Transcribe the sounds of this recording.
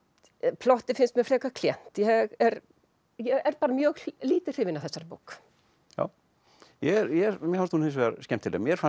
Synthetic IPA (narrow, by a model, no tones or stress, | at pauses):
pʰlɔht̪ɪfɪnst̪mjɛfɾɛːkakʰljɛn̥t̪jɛɛɣɛɾ | jɛɛɾpaːɾamjœːɣliːt̪ɪr̥ɪːvɪnaθɛsːaɾpowk | ja̰ːw | jɛɾjɛmjɛhast̪hunhɪns̬vɛːaɾscɛm̥t̪ʰɪlɛ̰mjɛɾfa